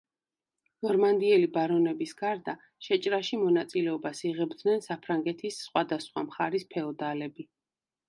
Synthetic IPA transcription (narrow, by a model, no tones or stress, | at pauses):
nɔɾmand̪iɛlibaɾɔnɛbisɡaɾd̪a | ʃɛt͡ʃʼɾaʃimɔnat̪sʼilɛɔbasiʁɛbd̪nɛnsapʰɾaŋɡɛt̪ʰisːχwad̪asχwa̰mχaɾispʰɛɔd̪alɛbi